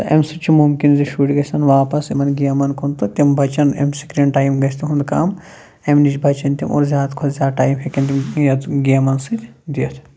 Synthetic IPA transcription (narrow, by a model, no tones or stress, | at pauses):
t̪ɐʔḛmsɐt͡ʃʰimumkinziʃuːʈɡɐsɐnʋaːpɐsemɐnɡijɐmɐnkʰont̪ut̪ʲimbʱɐt͡ʃɐnḛmsikɾʲeɳɖʈaːjimɡɐst̪ʰiɦund̪kaːm | emnit͡ʃbʱɐt͡ʃɐnt̪imo̰ːɾzʲjaːd̪kʰot̪zʲjaːd̪ʈaːjmɦekʲɐnt̪imjɐt̪ɡijɐmɐnsit̪ʲd̪iɐt̪ʰ